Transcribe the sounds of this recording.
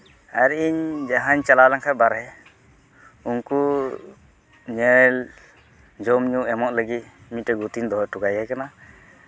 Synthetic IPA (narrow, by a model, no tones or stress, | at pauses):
aɾiɲd͡ʒaɦaɲt͡ʃalalaŋkʰabaɾɦɛ | unku | ɲɛl | d͡ʒɔmɲuɛmɔʔləɡit̪̚mit̪̚ʈɛɡut̪ind̪ɔɦɔʈuɡajɡajkana